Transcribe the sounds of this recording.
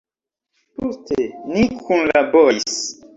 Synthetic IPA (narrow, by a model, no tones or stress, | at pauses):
postʰenikʰunlabois